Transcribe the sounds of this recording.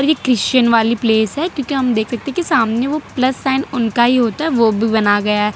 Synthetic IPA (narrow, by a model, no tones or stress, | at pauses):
ɔːɾjeːkɾɪʃt͡ʃənʋaːlipleːsɦɛkjõːkiɦɐmd̪eːkʰsɐk̚t̪ẽɦɛ̃kisaːmneʋopləsːaːɪnʊnkaɦiɦoːt̪aɦɛʋobʱibɐnaɡɐjaɦɛː